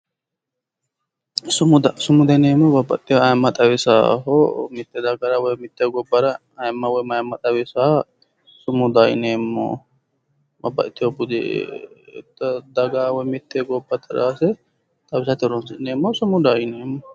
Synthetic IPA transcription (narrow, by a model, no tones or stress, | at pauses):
sʊmʊd̪sʊmʊd̪ɐneːmːɔbɐbːɐ̰t̪ʼːɪɐjmːɐt̪ʼɐwɪsa̰ːɦomɪt̪ːɛd̪ɐɡɐɾɐwɔjmɪt̪ːeɡɔbːɐɾɐ | ɐjmːɐwɔjmɐjɐmːɐt̪ʼɐwɪsaː | sʊmʊd̪ɐjneːmːo̰ | bɐ̰bːɐ̰ʔɪt̪ːɪobʊd̪ɪ̰ | t̪ːɐd̪ɐɡaːwɔjmɪt̪ːeːɡɔbːɐt̪ɪɾaːsɛ | t̪ʼɐbɪsat̪ɪɾɔnsɪneːmːosʊmʊd̪ɐjneːmːɔ